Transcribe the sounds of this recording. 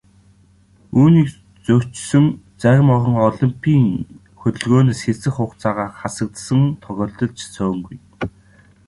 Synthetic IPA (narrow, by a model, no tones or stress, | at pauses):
uːniːk | t͡sɵw̥t͡ɕsɵ̆ŋt͡sæɣʲmɔʁɞ̆ŋɔɮimpʰiːŋ | xɵt̪ɵ̆ɮɣoːneːsxesɘ̆χʊχt͡saːʁaːχasə̆k̚t̪sə̆ŋt̪ʰɔɣʲɔːɮt̪ɞ̆ɮt͡ɕsœ̆ːŋɡuj